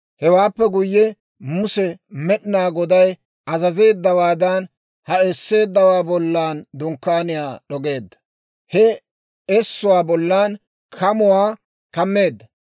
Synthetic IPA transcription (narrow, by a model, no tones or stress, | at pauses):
hɛwaːpːɛɡʊjːɛ | mʊsɛmɛɗnaːɡɔd̪ɐj | ɐzɐze̞ːd̪ːɐwaːd̪ɐn | hɐesːe̞ːd̪ːɐwaːbɔlːaːnd̪ʊŋkːaːnɪjaːɗɔɡe̞ːd̪ːɐ̥ | hɛ | ɛsːʊwaːbɔlːan | kʰɐmʊwaː | kɐmːe̞ːd̪ːɐ